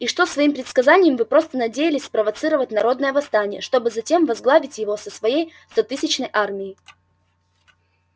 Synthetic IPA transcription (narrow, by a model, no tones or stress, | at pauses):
iʂt̪o̞svɐimpɾʲɪt̪skɐzanʲɪjəmvɨpɾo̞st̪ənɐdʲejɪlʲɪsʲspɾəvɐt̪sɨɾəvətʲnɐɾo̞d̪nəjəvɐst̪anʲɪjə̰ʂt̪o̞bɨzɐtʲe̞mvɐzɡlˠavʲɪtʲjɪvo̞səsvɐjejst̪ɐt̪ɨsʲɪt͡ɕnəjʔarmʲɪɪ